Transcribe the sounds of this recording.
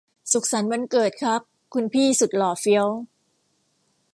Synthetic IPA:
su˨˩k̚sa˩˦nma˧nkɤː˨˩t̪̚kʰa˦˥k̚ | kʰːu˧npʰiː˥˩su˨˩t̪̚lɔː˨˩fi˦˥əw

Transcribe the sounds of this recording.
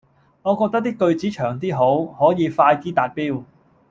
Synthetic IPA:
ŋɔː˨˧kɔː˧k̪̚ɐ˥k̪̚iː˥kɵ˧ɥt͡siː˨˥t͡ʃʰœː˨˩ŋt̪̬iː˥ɦo˨˥whɔː˨˥jiː˨˧faː˧jt̪iː˥t̪aː˨˩t̚piː˥w

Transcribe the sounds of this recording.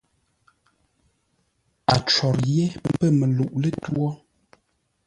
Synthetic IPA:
a˨t͡ʃɔ˨ɾje˦˨m̩˦pə˦˨me˨lu˨ʔlə˦twɔ˦

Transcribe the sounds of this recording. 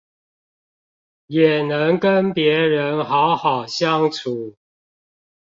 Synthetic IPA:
jɛ˨˩nə˨˦ŋkə˦npjɛ˨˥ɻə˨˦nxɑ˨˦ʊxɑ˨˩ʊɕjɑ˦ŋt͡sʰu˨˦

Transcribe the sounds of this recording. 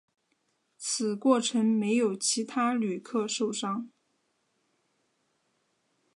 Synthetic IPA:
t͡sʰɹ̩˨˩kwɔ˥˩ʈ͡ʂʰə˧˥ŋme˧˥ɪjo˨˩ʊt͡ɕʰi˧˥t̪ʰa˥ly˨˩kʰɤ˥˧ʂo˥˩ʊʂɑ˥ŋ

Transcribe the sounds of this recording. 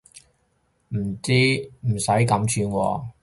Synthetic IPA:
m̩˨˩t͡siː˥m̩˨˩sɐ˨˥jkɐ˨˥mt͡ʃʰyː˧nwɔ̰ː˧

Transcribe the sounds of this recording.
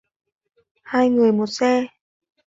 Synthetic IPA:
haː˧jŋɨ˨˩əjmo˨˩t̚sɛ˧

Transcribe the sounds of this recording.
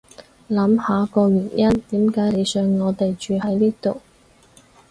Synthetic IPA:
lɐ˨˥mhaː˨˥kɔː˧ɥyː˨˩njɐ˥nt̪iː˨˥mkaː˨˥jle˨˧jsœː˧ŋːɔː˨˧t̪e˨jt͡ʃyː˨˧ɦɐ˨˥jliː˥t̪o˨w

